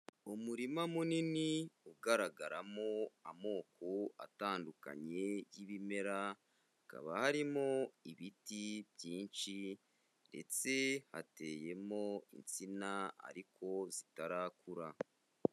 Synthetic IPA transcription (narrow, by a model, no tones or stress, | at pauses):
umuɾimamuniniuɡaɾaɡaɾamo̞amo̞ːkʰo̞a̰taːnduka̰ɲe̞jiβime̞ɾa | aka̰βahaɾimo̞iβitibjiːnt͡ʃi | nde̞̰t͡se̞ha̰te̞je̞mo̞ḭnt͡sinaa̰ɾikʰo̞zitaɾakuɾa